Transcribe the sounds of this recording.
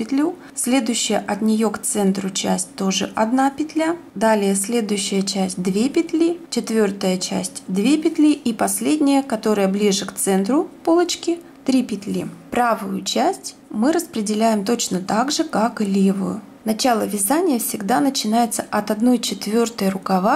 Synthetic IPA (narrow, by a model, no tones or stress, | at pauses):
ɪt̪lʲu | sʲlʲe̞d̪ʊjɕːɪjəʔɐt̪nʲɪjo̞kt̪sɛnt̪ɾʊt͡ɕæ̰sʲtʲt̪o̞ʐɨʔɐd̪napʲɪt̪ʲlʲad̪alʲɪjəsʲlʲe̞d̪ʊjʉɕːɪjət͡ɕæsʲtʲd̪vʲepʲɪt̪ʲlʲit͡ɕɪt̪vʲo̞rt̪əjət͡ɕæ̰sʲtʲd̪vʲepʲɪt̪ʲlʲiʔipɐsʲlʲedʲnʲɪjəkɐt̪o̞ɾəjəblʲiʐɨkt̪sɛnt̪ɾʊpolˠət͡ɕkʲɪ | t̪ɾʲipʲɪt̪ʲlʲḭpɾavʊjʊt͡ɕæsʲtʲ | mɨɾəspɾʲɪdʲɪlʲæjɪmt̪o̞t͡ɕnət̪aɡʐɨkaklʲevʊ̰jʊ̰ | nɐt͡ɕalˠəvʲɪzanʲɪjəfsʲɪɡd̪anət͡ɕɪnajɪt̪səʔɐt̪ɐd̪no̞jt͡ɕɪt̪vʲo̞rt̪əjrʊkɐva